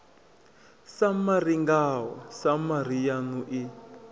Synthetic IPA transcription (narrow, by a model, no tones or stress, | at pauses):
samariŋɡaɦɔsamar̤ijanuʔi